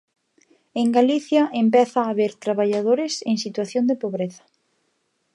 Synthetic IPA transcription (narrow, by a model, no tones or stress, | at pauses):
eŋɡaliθjɐʔempɛθaːβeɾt̪ɾaβaʎaðoɾɪseŋsit̪waθjond̪epoβɾeθɐ̥